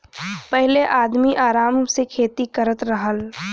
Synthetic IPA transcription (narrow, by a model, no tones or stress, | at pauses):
pəɦleʔaːd̪miʔaːɾaːmsekʰeːt̪ikəɾət̪ɾəɦəl